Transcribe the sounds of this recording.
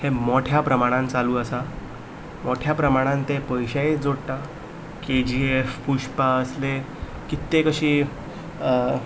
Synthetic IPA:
hemoʈʰjapɾəmaɽ̃ãnt͡saluːəsa | moʈʰjapɾəmaɽ̃ãnt̪epəjɕaed͡zoɽʈ̪a | ked͡ʑiefpuʂpaəsle | kit̪ːekəɕiː

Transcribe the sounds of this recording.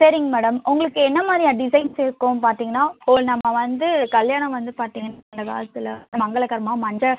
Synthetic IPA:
sɐɾɪŋɡɐmɛːɽɐmʔʊŋɡɐɭɯkːɯɛnːɐmaːd̪ɾijɐɖɪsɐɪnsɪɾɯkːʊ̃paːɾt̪iːŋɡɐnːaːpoːɭnɐmːɐʋɐnd̪ɯkɐljaːɳɐ̃mʋɐnd̪ɯpaːɾt̪iːŋɡɐnːnd̪ɐka̰ːɭɐt̪ːɯlɐɐmɐŋɡɐɭɐkɐɾmaːmɐɲd͡ʒɐ

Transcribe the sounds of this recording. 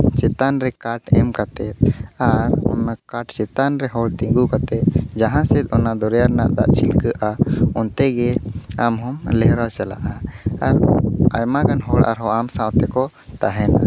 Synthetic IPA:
t͡ʃɛt̪anɾɛkaʈɛmkat̪ɛt̪̚aɾɔ̰nakaʈt͡ʃɛt̪anɾɛɦɔɭt̪ĩŋɡukat̪ɛt̪̚d͡ʒaɦãsɛt̪ˀɔnad̪ɔɾjaɾnaʔd̪a̰ʔt͡ʃʰilkəʔaɔnt̪ɛɡɛamɦɔmlɛɦɾat͡ʃala̰ʔaaɾa̰jmakanɦɔɽʔa̰ɾɦɔamsãwt̪ɛkɔ | t̪aɦɛna̰

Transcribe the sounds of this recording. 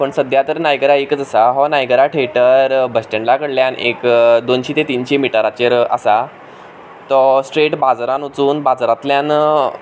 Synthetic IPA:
pəɳsəd̪jat̪əɾnajɡɾaekət͡səsaɦɔnajɡəɾaʈʰeʈəɾbəsʈəɳlakəɽljanʔḛkd̪onɕit̪et̪iːnɕimiʈəɾat͡ɕeɾə̰sa | t̪ɔsʈɾeʈbad͡zɾanut͡suːnbad͡zɾat̪ljãn

